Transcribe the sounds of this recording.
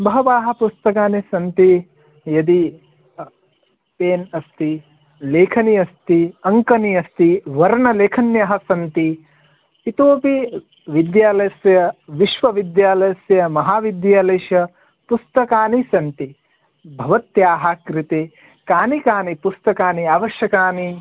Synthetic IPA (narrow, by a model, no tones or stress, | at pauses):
bɐɦɐʋaːɦɐ̆pust̪ɐkaːnisɐnt̪i | jɐd̪i | peːnɐst̪i | leːkʰɐniɐst̪iɐŋkɐniɐst̪iʋɐɾɳɐleːkʰɐnjɐɦɐ̆sɐnt̪iː | t̪oːpi | ʋid̪jaːlɐjɐsjɐʋiʃʋɐʋid̪jaːlɐjɐsjɐmɐɦaːʋid̪jaːleːʃjɐ | pust̪ɐkaːnisɐnt̪i | bʱɐʋɐt̪jaːɦakɾit̪eː | kaːnikaːnipust̪ɐkaːniaːʋɐʃjɐkaːni